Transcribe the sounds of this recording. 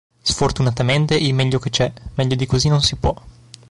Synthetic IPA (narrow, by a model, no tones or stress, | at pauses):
sfort̪unat̪ament̪eʔilmɛʎːok̟et͡ʃɛmɛʎːod̪ikozinonsipwɔ